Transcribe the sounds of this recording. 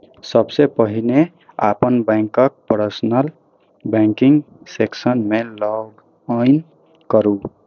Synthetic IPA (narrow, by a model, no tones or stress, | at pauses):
sʌbsepʌɦine | apʌnbaŋkʌk̚pʌɾsnʌl | baŋkiŋɡ | seksʌnmelʌɡ | jn | kʌɾu